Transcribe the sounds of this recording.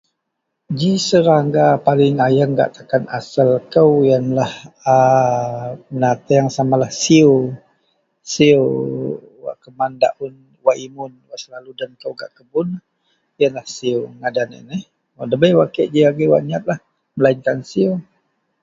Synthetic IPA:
d͡ʒisəɾaŋɡapalɪŋajəŋɡa̰ʔt̪akana̰səlkəwjənlahə | ənat̪əjaŋsamalahsio | siə | wa̰ʔkəmanda̰ʔun | waʔimʊnwasəlaludənkəwɡa̰ʔkəbʊn | jənlahsioŋadanḭnəh | wadəbəjwakeʔd͡ʒiaɡəwa̰ʔniat̪̚lah | məlaiŋkansio

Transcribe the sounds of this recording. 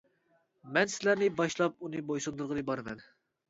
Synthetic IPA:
mɛnsɪlæɾnɪbɑʃlˠɑp̚unɨbojsund̪uɾʁənɨbɑɾɨmɛ̰n

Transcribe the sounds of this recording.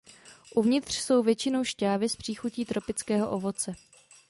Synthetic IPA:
ʔuvɲɪt̪r̝̥so̞wvjɛt͡ʃɪno̞wʃcaːvɪspr̥iːxuciːt̪ɾo̞pɪt͡skɛːɦo̞ʔovo̞t͡sɛ

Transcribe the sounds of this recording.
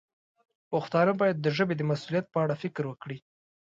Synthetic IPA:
pʊxt̪ɑnəbɑjad̪ːəʒəbed̪əmasulijat̪̚pəaɽafɪkɾwəkɽi

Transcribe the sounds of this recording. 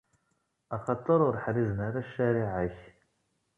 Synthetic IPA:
ɑχɑt̪ˤːəɾˤʊɾħɾizənaɾaʃːæɾiʕaç

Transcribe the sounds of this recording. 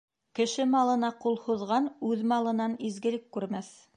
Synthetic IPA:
kɘ̆ʃɘmɑlˠɤ̆nɑqulˠhuðʁɑnʉðmɑlˠɤ̆nɑnizɡɘ̆lɘkːʉɾmæθ

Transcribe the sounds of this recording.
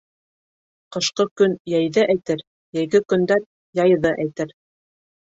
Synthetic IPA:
qɤ̆ʃqɤkɵnjæjðɘʔæjt̪ɘɾ | jæjɡɘkɵ̆nd̪æn | jɑjðɤʔæjt̪ɘɾ

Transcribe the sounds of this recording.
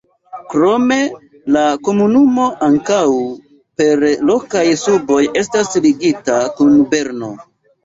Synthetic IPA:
kɾo̞me̞ | lako̞munumo̞ʔaŋkaw | pe̞ɾlo̞kajsubo̞je̞s̬tasliɡitakunbe̞ɾno̞

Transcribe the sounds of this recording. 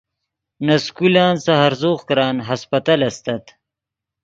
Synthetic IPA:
nɐskulaːnsɐɦɐɾzoːχkɾaːnɦɐspɐt̪alɐst̪ɐt̪

